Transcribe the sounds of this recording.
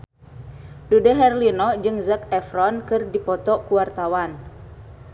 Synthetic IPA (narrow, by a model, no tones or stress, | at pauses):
dudɛɦɛrlinɔd͡ʒɨŋzakɛfɾɔnkɨrdipɔt̪ɔkuwart̪awan